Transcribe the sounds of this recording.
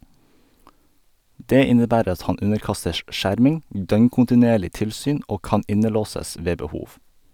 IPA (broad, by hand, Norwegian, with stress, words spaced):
ˈdeː ˈɪnəˌbæːɾ ˈɑt ˈhɑn ˈʉnəɾˌkɑstəʃ ˈʔʃæɾmɪŋ ˈdœŋkʊntɪˌneːɭɪ ˈtɪlsyːn ˈʔoː ˈkɑn ˈɪnəˌloːsəs ˈʋeː bəˈhuːʋ